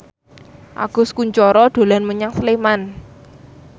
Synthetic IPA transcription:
ʔa̰ɡ̥ʊ̤skuɲt͡ʃɔɾɔɖ̪̥o̤lanməɲaŋsleman

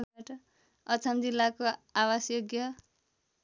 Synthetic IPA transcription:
aʈʌ | ʌt͡sʰamd͡zilːakoawasjoɡjʌ

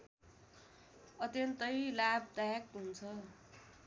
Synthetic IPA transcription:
ʌt̪jʌnt̪ʌjlab̚d̪ajakɦunt͡sʰʌ

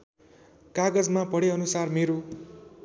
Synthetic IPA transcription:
kaɡʌd͡zmapʌɽeʌnusarmeɾo

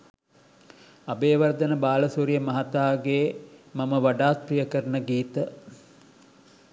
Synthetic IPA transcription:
ɐbeːʋɐɾd̪ənəbaːləsuːɾijəmɐɦat̪aːɡeːmaməʋaɖaːt̪ɾijəkəɾənəɡiːt̪ə

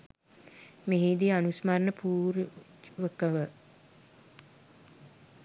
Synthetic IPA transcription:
meɦiːd̪ianusmaɾnəpuːɾ | ʋəkəʋə

